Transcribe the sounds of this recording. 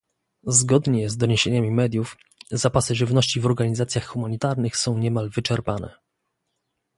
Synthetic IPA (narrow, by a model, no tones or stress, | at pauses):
zɡɔd̪ɲɛzd̪ɔɲeɕeɲamʲimɛd̪ʲjuf | zapasɘʐɘvnɔɕt͡ɕivɔɾɡaɲizat̪sʲjaxxumaɲit̪aɾnɘxsɔ̃w̃ɲɛmalvɘt͡ʂɛɾpanɛ̰